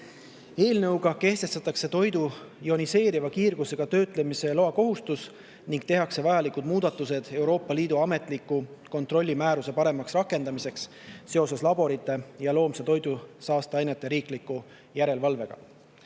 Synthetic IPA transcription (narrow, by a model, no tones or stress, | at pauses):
e̞ːlnɤwɡ̥ɑke̞ht̪e̞st̪ɑt̪ːˑɑkse̞t̪o̞jd̪ujo̞nise̞ːɾivɑkiːrɡ̥use̞ɡ̥ɑt̪ø̞ːt̪ˑle̞mise̞lo̞ɑko̞ɦust̪us | niŋkt̪e̞ɦɑkse̞vɑjɑlikud̪̥muːd̪̥ɑt̪ːˑuse̞d̪̥e̞wɾo̞ːpˑːɑliːd̪uɑme̞t̪ˑlikːˑuko̞nt̪ro̞lʲːimæːɾuse̞pɑɾe̞mɑksrɑkːˑe̞nd̪̥ɑmise̞ks | se̞o̞se̞slɑbo̞ɾit̪ːˑe̞jɑlo̞ːmset̪o̞jd̪̥usɑːst̪ɑɑjnet̪ˑːe̞ɾiːklikːu | jæɾe̞lvɑlve̞ɡ̥ɑ̰